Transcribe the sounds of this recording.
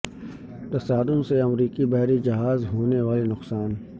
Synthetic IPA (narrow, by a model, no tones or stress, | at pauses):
t̪ɐsaːd̪ʊnseɐmɾiːkibɐɦɾid͡ʒɐɦaːzɦoːneʋaːlenʊqsaːn